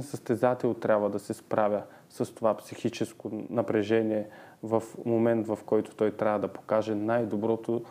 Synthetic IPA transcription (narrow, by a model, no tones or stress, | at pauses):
nsəst̪ɛzat̪ɛlˠt̪ɾʲabvəd̪ɐsɛspɾavʲə | sɐst̪ovapsixit͡ʃɛskonɐpɾɛʒɛniɛvɐfmomɛnt̪vɐfkɔjt̪o̥t̪ɔjt̪ɾʲavɐd̪ɐpo̥kaʒɛnajd̪obɾɔt̪o